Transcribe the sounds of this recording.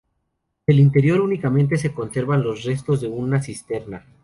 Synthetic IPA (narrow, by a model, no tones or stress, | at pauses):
d̪e̞lint̪e̞ɾjo̞ɾunikamẽ̞nt̪e̞s̬e̞ko̞nse̞ɾβanlo̞sre̞st̪o̞zðe̞unasist̪e̞ɾna